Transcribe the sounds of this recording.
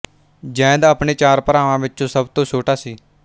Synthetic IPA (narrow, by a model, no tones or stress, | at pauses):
d͡ʒɛ̃ːd̪əːpɳeːt͡ʃaːɾpəɾaːʋãːʋɪtːt͡ʃõːsəbt̪õːt͡ʃʰoːʈaːsiː